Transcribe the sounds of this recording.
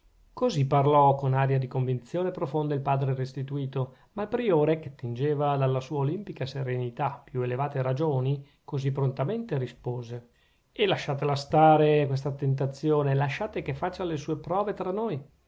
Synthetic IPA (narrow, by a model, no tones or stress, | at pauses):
koziparlɔkonaːɾjad̪ikoɱvint̪sjoːnepɾofond̪ailpaːd̪ɾerest̪it̪uiːt̪o | malpɾioːɾek̟et̪ːind͡ʒeːvad̪alːasuːaolimpikaseɾenit̪apːjuelevaːt̪eɾad͡ʒoːni | kozipːɾont̪ament̪eɾispoːze | elaʃːaːt̪elast̪aːɾekwes̬t̪at̪ent̪̬at̪sːjoːnelaʃːaːt̪ekefat͡ʃːalesuːepɾɔːvet̪ɾanːoj